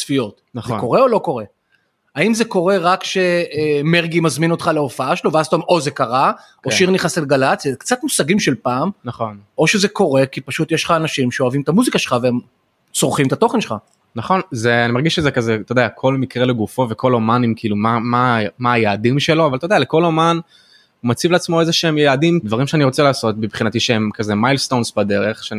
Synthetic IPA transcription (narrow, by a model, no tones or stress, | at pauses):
sfijo̞t̪ | naḛko̞ʁe̞o̞loko̞ʁe̞ | aimzeko̞ʁe̞ʁakʃe̞meʁɡimazmino̞t̪χalaofaaʃelo̞veazt̪omozekaʁa | oʃʃiʁniχaset̪ɡalat͡sjakt͡sat̪musaɡimʃelpaːmnaχo̞nʔo̞ʃezeko̞ʁe̞kipaʃut̪jeʃlχaːnaʃimʃeoavimet̪amuzikaʃelχaveem | t͡soʁχimt̪at̪o̞χenʃelχa | naχo̞nzeanimaʁɡiʃezekazet̪od̪eakʰo̞lmikʁeleɡufo̞vekʰo̞lomanimkiilumamamaːjaːdimʃe̞lo̞avalt̪odealeko̞loman | umat͡sivleat͡smo̞ezeʃeemjaːdimd̪vaʁimʃeaniʁo̞t͡selaːso̞t̪̚bibχinat̪iʃeemkaze̞majlst̪onsbad̪e̞ʁeχʃeani